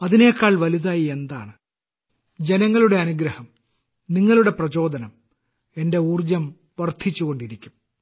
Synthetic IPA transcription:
ɐðine̞ːkːaːɭʋɐliðaːjie̞nd̪a̰ːɳɨ | d͡ʑe̞nɐŋːɐɭuɽe̞ɐnuɡɾɐhɐm | niŋːɐɭuɽe̞prɐt͡ɕo̞ːd̪ɐnɐm | e̞nde̞uːrd͡ʑɐm | ʋɐrt̪ʰit͡ɕːuɣo̞ɳɖiɾikʲːum

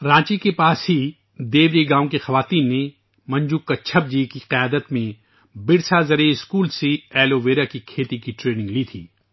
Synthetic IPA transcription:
ɾãːt͡ʃikepaːsɦi | d̪eːbɾiɡãːõkexɐʋaːt̪iːnːe | mɐ̃ɲd͡ʒukːat͡ʃʰɐb̚d͡ʒiːkiqɪjaːd̪ət̪mẽ | bɪɽsazɐɾeɪskuːlsiɛːloʋeːɾakikʰeːt̪ikiʈɾeːnɪ̃ŋɡliːt̪ʰiː

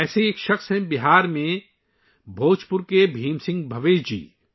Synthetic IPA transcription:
ɛːseeːkʃɐxsɦɛ̃bɪɦaːɾmẽ | bʱoːt͡ʃpʊɾkebʱiːmsɪ̃ŋɡbʱɐʋeːʃd͡ʒḭː

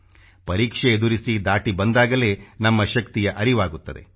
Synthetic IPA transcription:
pɐɾiːkʂeːd̪uɾisid̪aːʈibɐnd̪aːɡɐle̞ːnɐmːɐʃɐkt̪ijɐʔɐɾiʋaːɡut̪ːɐd̪e̞̰

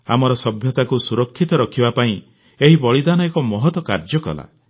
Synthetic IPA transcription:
a̰mɔɾɔsɔbʱjɔt̪akusuɾɔkʰːit̪ɔɾɔkʰibapaĩ | eɦibɔɭid̪anɔekɔmɔɦɔt̪wɔkaɾd͡ʒɔkɔ̰la̰

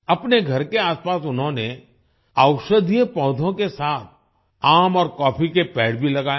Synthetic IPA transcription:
ɐpneɡʱɐɾkeaːspaːsʊnɦõne | əʊʃəd̪ʱijəpɔ̃ːd̪ʱõkesaːt̪̚ʰ | aːmɔːɾkɔːpʰikepɛːɽbʱilɐɡaːe

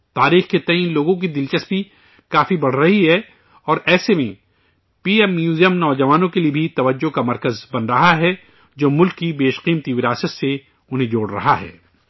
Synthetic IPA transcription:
t̪aːɾiːxket̪ɐĩnloːɡõk̬id̪ɪlt͡ʃɐspi | kaːfibɐɽ̤ɾɐɦiɦɛ | ɔːɾʔɛːsemḛ̃ | piːɛmːjuːzijəmnɔːd͡ʒɐʋaːnõkeliebʱit̪ɐʋəd͡ʒːokamɐɾkəzbɐnɾɐɦaɦɛ | d͡ʒoːmʊlkːibeːʃqiːmt̪iʋɪɾaːsət̪se | ʊnɦẽd͡ʒoːɽɾɐ̰ɦaɦɛ̰ː

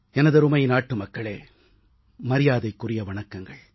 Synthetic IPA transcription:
ɛnɐðɐɾɯmɐjɪnaːʈːɯmɐkːɐɭḛː | mɐɾɪjaːðɐɪkːʊrɪjɐʋɐɳɐkːɐŋɡɐɭ

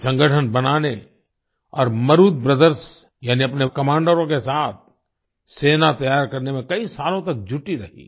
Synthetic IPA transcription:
sɐ̃ŋɡʱəʈʰənbɐnaːne | ɔːɾmɐɾuːd̪̚pɾəd̪əɾs | jaːniɐpnekɐmãːɳɖəɾõkesaːt̪̚ʰ | seːnat̪ɐjaːɾkɐɾnemẽkɐisaːlõt̪ɐk̚d͡ʒʱʊʈiɾɐɦḭː

